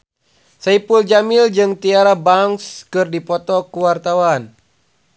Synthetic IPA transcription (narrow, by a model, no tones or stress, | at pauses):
saipuld͡ʒamild͡ʒɨŋt̪iaɾabaŋskɨrdipɔt̪ɔkuwart̪awan